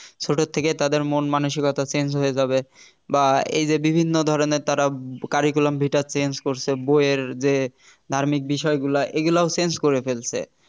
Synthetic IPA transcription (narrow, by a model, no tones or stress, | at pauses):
t͡ɕʰoʈʰot̪ʰːeket̪ad̪eɾmonmanuʃikɔt̪ʰat͡ɕend͡ʑɦojed͡ʑabe | baḛjd͡ʑebibʱinːod̪ʱɔɾoneɾt̪aɾakaɾikulambʱiʈat͡ɕenskoɾt͡ɕʰeboeeɾd͡ʑe | d̪ʱaɾmik̚biʃɔeɡulaʔeɡulaosenskoɾefelt͡ɕʰḛ